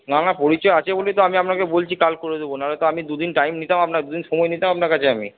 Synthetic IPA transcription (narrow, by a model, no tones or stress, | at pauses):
nanapoɾit͡ɕɔeat͡ɕʰebolet̪oamiapnakebolt͡ɕʰikalkoɾed̪ebonaɾet̪oamid̪ud̪inʈajmnit̪amapnad̪ud̪inʃɔmɔenit̪amap̚naɾkat͡ɕʰeami